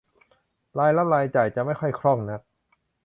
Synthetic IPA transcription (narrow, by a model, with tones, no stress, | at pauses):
laː˧jla˦˥p̚laː˧jt͡ɕa˨˩jt͡ɕa˨˩ʔma˥˩jxʰɔ˥˩jkʰɾɔ˥˩ŋna˦˥t̪̚